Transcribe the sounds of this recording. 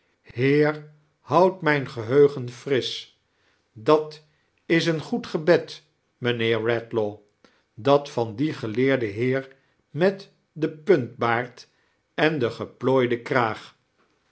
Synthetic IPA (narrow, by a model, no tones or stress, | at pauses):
ɦɪːɹ | hʌwtmɛjnχəɦøɥχənfrɪs | dɑt | ɪs̬ənχutχəbɛt | mənɪːɹːɛtlo | dɑtfɑndiχəlɪːɹdəɦɪːɹ | mɛt | dəpɵnt̚baːɹt | ɛndəχəploːjdəkraːχ